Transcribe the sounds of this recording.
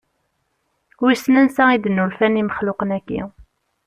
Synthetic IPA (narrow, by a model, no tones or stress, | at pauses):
wisnænsæid̪nːulfæniməχlʊqənækːḭ